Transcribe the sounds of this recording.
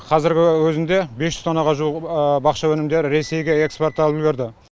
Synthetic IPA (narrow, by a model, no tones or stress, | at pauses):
qʰɑzɪɾɡʲɪwɵzɪnd̪e̞besʒʏzʰonɑʁɑʒubɑqʃɑwɵnɪmd̪e̞ɾɪɾe̞se̞jɡʲe̞ekspo̞rt̪ːɑlˠpʒlɡʲeɾd̪ɪ